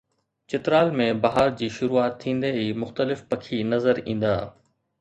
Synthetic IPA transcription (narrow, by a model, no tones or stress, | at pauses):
t͡ɕɪt̪ɾaːlmẽbɐɦaːɾd͡ʑiːʃʊɾuaːt̪ʰːĩːnd̪eiːmʊxt̪əlɪfpɐkʰinɐzəɾĩːn̆d̪aː